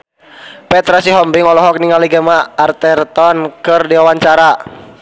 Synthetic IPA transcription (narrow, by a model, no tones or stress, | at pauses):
pɛt̪ɾasiɦɔmbiŋɔlɔɦɔk̚niŋaliɡəmaːrt̪ɛrt̪ɔnkɨrdiwawaɲt͡ʃaɾa